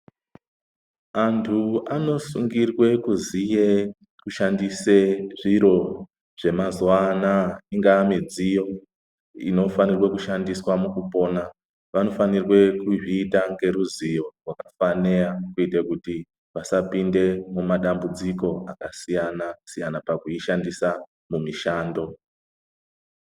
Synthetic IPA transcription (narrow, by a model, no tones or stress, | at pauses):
antʰuano̞suŋɡirwe̞kuzije | kuʃandiseʐiɾo̞ | ʐ̥e̞mazwanaiŋɡaːmid͡zijo̞ | ḭno̞fanirwe̞kuʃandiswamukupo̞ːna | ʋano̞fanirwe̞kuʐiːtaŋɡe̞ɾuzijo̞rwakafanejakuitekuti | ʋasapinde̞mumaɗambud͡ziko̞akasijanasijanapakuiʃandisa | mumiʃaːndo̞